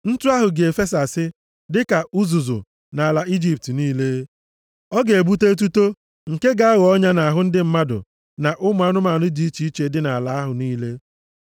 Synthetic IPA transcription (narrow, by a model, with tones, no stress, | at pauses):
n̩˦tu˦a˦ɦʊ˨ɡe˨e˨fe˦s̬a˨sɪ˦ | dɪ˦ka˨u˦zu˨zʊ̰˨ | na˨a˨la˨i˦d͡ʒi˦p̚tniː˦le˦ | ɔ˦ɡe˨e˨bu˦te˦t̬u˦to˦ | ŋ̩˨ke˦ɡa˦a˦ɣɔ˦ɲa˦na˨ɦʊ˦n̩˦dɪ˦m̩˦ma˦dʊ̰˨ | na˨ʔʊ˦mʊ˨˦a˦nʊ˦ma˨nʊ˦di˨˦i˦t͡ʃi˨˦i˦t͡ʃe˨dɪ˦na˨a˨la˨˦a˦ɦʊ˨niː˦le˦